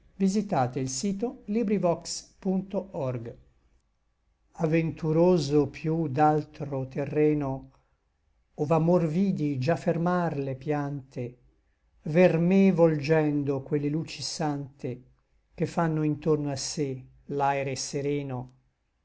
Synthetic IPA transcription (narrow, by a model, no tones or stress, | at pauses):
vizit̪aːt̪eilsiːt̪olibɾivɔkspunt̪oʔɔrɡ | avent̪uɾoːzopʰjud̪alt̪ɾot̪erːɛːno | ovamorviːd̪id͡ʒafermarlepjant̪e | vermevold͡ʒɛnd̪okwelːeluːt͡ʃisant̪e | kefːanːoint̪ornoasːe | lajɾeseɾɛːno